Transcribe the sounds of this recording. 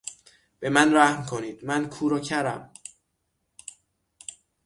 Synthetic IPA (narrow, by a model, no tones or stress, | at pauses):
b̥e̞mænræhmkʰoniːd̪̥mænkʰuːɾɒːcʰæɾæm